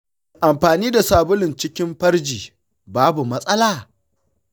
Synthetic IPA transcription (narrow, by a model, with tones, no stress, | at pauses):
ʔa˨mɸaː˨niː˦da˨saː˨bʊ˦lɪ˨nt͡ʃɪ˦kʲɪ˦mɸɐ˦ɽd͡ʒiː˨ | baː˦bu˨mɐ˦sʼɐ˦laː˨